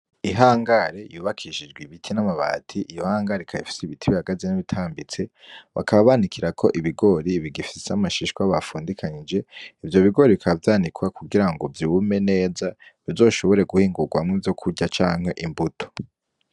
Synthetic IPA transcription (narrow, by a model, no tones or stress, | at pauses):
iɦaːŋɡaɾejuːβakʰiʃid͡ʒɡwiβitʰinamaβa̰ːtʰiʔijohaːŋɡaɾikʰajḭfi̥seiβitʰiβihaɡazinaβitʰaːmbit͡se̞ | βa̰kʰaβaβanikʰiɾakʰo̞ʔiβiɡo̞ɾiβiɡifiseamaʃiʃkwaβafuːndikʰaɲid͡ʒe̞ivjo̞βiɡo̞ɾiikʰavjaːnikwakuɡiɾaŋɡo̞vjiwume̞ne̞ːzaβivzo̞ːʃo̞βo̞ɾe̞ɡuhiːŋɡuɡwamŋevjo̞kʰuɟat͡ʃaːŋhe̞ʔimbutʰo̥